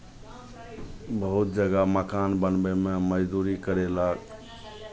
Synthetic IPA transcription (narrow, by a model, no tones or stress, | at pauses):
bəɦut̪̚d͡ʒəɡaməkanbənbememəd͡ʒd̪uɾikəɾelak